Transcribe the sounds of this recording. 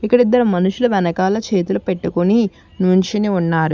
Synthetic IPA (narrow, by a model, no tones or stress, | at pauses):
ikːɐɽid̪ːɐɾumɐnuʂuluʋɛnɐkaːlɐt͡ʃe̞ːt̪ulupeʈːukuni | nuɲt͡ʃiniunːaːɾu